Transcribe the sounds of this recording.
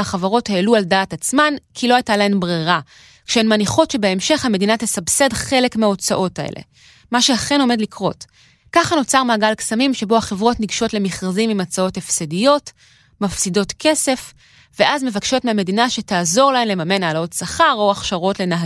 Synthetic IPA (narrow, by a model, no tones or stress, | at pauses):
aχavaʁo̞theːlualdaːtat͡smankʰilo̞ajtalae̞mbʁeʁa | kʃeenmaniχo̞tʃebeemʃe̞χhame̞dinatesabse̞dχe̞le̞kmeao̞t͡sa̰ʔo̞taḛlḛ | maʃeaχe̞no̞me̞dlikʁo̞̰t | kaχano̞t͡saʁmaːɡalksamimʃe̞bo̞haχevʁo̞tniɡʃo̞tle̞miχʁazimimat͡sao̞tefsedijo̞t | mafsido̞tkʰe̞se̞f | ve̞ʔazme̞vakʃo̞tmeame̞dinaʃe̞taːzo̞ʁlaemle̞mame̞naːlao̞tsaχaʁo̞aχʃaʁo̞tle̞naɦ